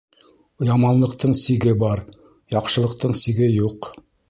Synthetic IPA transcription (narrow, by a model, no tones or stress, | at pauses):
jɑmɑnlˠɤ̆qt̪ʰɤɴsiɡɘbɑɾ | jɑqʃɤ̆lˠɤ̆q̚t̪ɤɴsiɡɘjuq